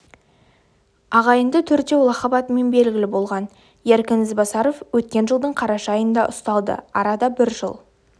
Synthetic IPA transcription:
ɑʁɑjənd̪ət̪ʰʏɾd̪e̞wlˠɑχɑbɑt̪əme̞nbe̞lɡʲɪlɪbo̞lˠʁɑn | jæɾkʲɪnɪzbɑsɑɾo̞fwɵt̪̚kʲe̞nʒəlˠd̪əɴqʰɑɾɑʃɑjənd̪ɑʔʊst̪ɑlˠd̪ə̰ɑɾɑd̪ɑbɪɾʒə̰lˠ

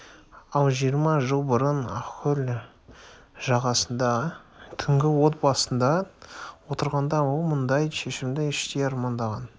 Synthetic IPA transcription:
ɑlˠʒijəɾmɑʒəlˠbəɾənɑ̰qʰʊl | ʒɑʁɑsənd̪ɑt̪ʰʏŋɡʲɪwo̞t̪̚bɑsənd̪ɑwo̞t̪əɾʁɑnd̪ɑwolˠmənd̪ɑjʃe̞ʃɪmd̪ɪɪʃt̪ejɑɾmɑnd̪ɑʁɑn

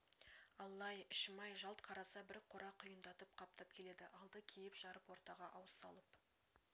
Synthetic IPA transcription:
ɑlˠːɑjɪʃmɑjʒɑlˠt̪qʰɑɾɑsɑbɪɾqʰoɾɑqʰːʊjənd̪ɑt̪əp̚qʰɑp̚t̪ɑp̚kʲʰe̞le̞d̪ɪʔɑlˠd̪əkʲʰejɪpʒ̥ɑɾəpwo̞ɾt̪ɑʁɑʔɑwəsɑ̰lˠəp

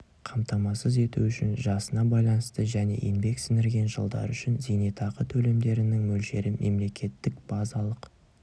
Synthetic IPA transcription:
qʰɑmt̪ɑmɑsəze̞t̪uʏʃɪnʒɑsənɑbɑjlˠɑnəst̪əʒæne̞̰ʔinbe̞ksɪnɪɾɡʲe̞nʒə̰lˠd̪ɑ̰ɾʏʃɪnzejnet̪ʰɑʁət̪ʰɵle̞md̪e̞ɾɪnɪŋmɵlʃe̞ɾɪmʔe̞̰mle̞kʲʰe̞t̪ːɪkb̥ɑzɑlˠəq

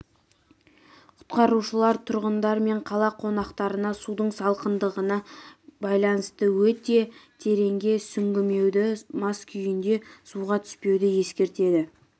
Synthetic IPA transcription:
qʰʊ̥t̪qɑɾuʃəlˠɑɾt̪ʰʊɾʁənd̪ɑɾme̞ɴqʰɑlˠɑqʰo̞nɑqt̪ɑɾənɑsud̪əɴsɑlˠqənd̪əʁənɑbɑjlˠɑnəst̪əwɵt̪e̞t̪ʰe̞ɾe̞ŋɡʲe̞sʏŋɡʲɪme̞wd̪ɪmɑskʲʰʏjɪnd̪e̞suʁɑt̪ʰʏ̥spe̞wd̪ɪje̞skʲe̞ɾt̪e̞d̪ɪ

